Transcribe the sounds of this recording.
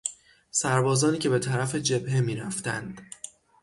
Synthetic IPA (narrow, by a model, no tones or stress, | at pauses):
sæɾbɒːzɒːniːcʰe̞be̞t̪ʰæɾæfe̞d͡ʒe̞bhe̞miːɾæft̪ænd̪̥